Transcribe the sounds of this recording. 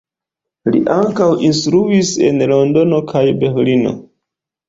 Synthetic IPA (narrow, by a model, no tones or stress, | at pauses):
lḭʔaŋkawʔinstɾuise̞̰nlo̞ndo̞no̞kʰajbe̞ɾlino̞̰